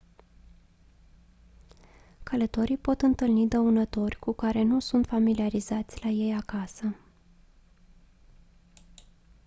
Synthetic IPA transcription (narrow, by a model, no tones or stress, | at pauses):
kʰələt̪o̞ɾipo̞t̪ɨnt̪ɨlnid̪əunət̪o̞rʲkukaɾe̞nusunt̪familiaɾizat̪sʲlaje̞jakasə